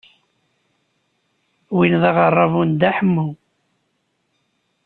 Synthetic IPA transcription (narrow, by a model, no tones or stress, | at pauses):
winðɑʁɑrˤːɑvund̪aħəmːu